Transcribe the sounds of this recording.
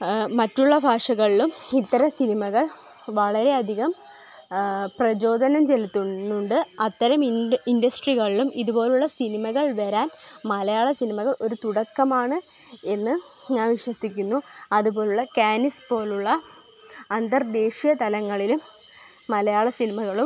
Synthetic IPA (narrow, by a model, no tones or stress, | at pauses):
mɐtːuɭːɐbʱaːʂɐɣɐɭilumit̪ːɐɾɐmsinimɐɣɐɭ | ʋɐɭɐɾe̞ɐd̪ʱiɣɐm | prɐt͡ɕo̞ːd̪ʱɐnɐmt͡ɕe̞lit̪ːuuɳɖɨɐt̪ːɐɾɐmindɐsʈriɣɐɭilumiðubo̞ːluɭːɐsinimɐɣɐɭʋɐɾaːnmɐlɐjaːɭɐsinimɐɣɐɭo̞ɾut̪uɽɐkːɐmaːɳɨe̞nːɨ | ɲaːʋiʂwɐsikʲːunːuɐðubo̞ːluɭːɐkaːnispo̞ːluɭːɐ | ɐnd̪ɐrd̪e̞ːɕijɐt̪ɐlɐŋːɐɭilumː | ɐlɐjaːɭɐsinimɐɣɐɭum